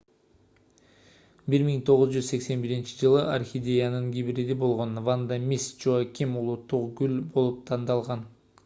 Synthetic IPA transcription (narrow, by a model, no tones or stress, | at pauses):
biɾmiŋt̪ʰo̞ʁʊzd͡ʒyzse̞kse̞nbiɾint͡ʃi̥d͡ʒɯlˠɯʔarxʲid̪ʲe̞janɯŋɡʲibɾid̪ibo̞lˠʁo̞nvand̪amʲist͡ʃokʲimulˠut̪ːuqɡylbo̞lˠup̚t̪ʰɑnd̪ɑlˠʁɑn